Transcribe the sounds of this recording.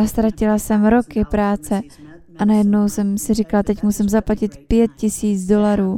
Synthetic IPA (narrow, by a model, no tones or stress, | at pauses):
ast̪ɾacɪlasɛmɾo̞kɪpɾaːt͡sɛʔanajɛdno̞wsɛmsɪrikalat̪ɛcmusimzaplacɪt̪pjɛt̪̚cɪsiːt͡sdo̞laɾuː